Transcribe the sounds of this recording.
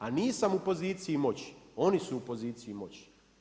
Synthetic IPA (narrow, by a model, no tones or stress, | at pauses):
aniːsamupo̞ziːt̪sijimo̞t͡ɕo̞nisuːpo̞ziːt̪siimo̞t͡ɕ